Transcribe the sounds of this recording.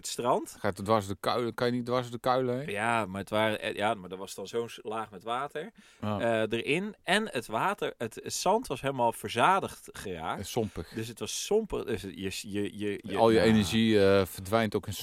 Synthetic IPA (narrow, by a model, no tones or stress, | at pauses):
ətstrɑntxatdʋasdəkaɥləkajənidʋaɹsdəkœɥləjamaətʋaːr̰jamadɔʋɑstɔnsoːnlaːxmɛtʋaːtʰəɹ | dərɪnɛnətʋaːtərətətsɑntʋɑsɦeləmaːlˠfərzaːdəxtχəra̰ːksɔmpəxdøsətʋɑssɔmpədəsjəjəjəəɔlˠjəenəɹʒifərdʋɛjntowkɪn